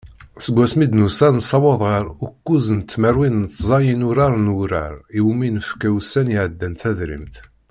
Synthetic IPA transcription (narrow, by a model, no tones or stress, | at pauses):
səɡʷːæsmid̪nusænsˤɑwɑðˤʁəɾukːuzənt̪ːmæɾwinnt̪ːzˤɑjənʊɾaɾˤnuɾæ̰ɾiwminəfkæwsæniʕəd̪ːænθæðɾḭmt̪